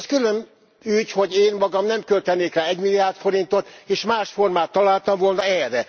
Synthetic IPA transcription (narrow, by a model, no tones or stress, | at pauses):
skyløn | yːcho̞ɟeːnmɒɡɒmnɛmkølt̪ɛneːkraːɛɟmilːiaːrt̪fo̞ɾint̪ot̪eːʃmaːʃfo̞rmaːt̪ːɒlaːlt̪ɒɱvo̞lnɒɛːrːɛ